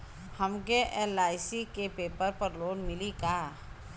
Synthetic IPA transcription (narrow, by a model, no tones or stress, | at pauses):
hɐmkeʔɛlaːɪsikepeːpəɾpəɾloːnmɪlikaː